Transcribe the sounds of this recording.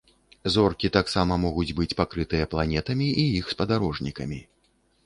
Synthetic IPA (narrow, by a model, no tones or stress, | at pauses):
zɔrkʲit̪aksamɐmɔɣud͡zʲbɨt͡sʲpakɾɨt̪ɨjɐplˠanʲɛt̪ɐmʲiʔijixspɐd̪aɾɔʐnʲikɐmʲi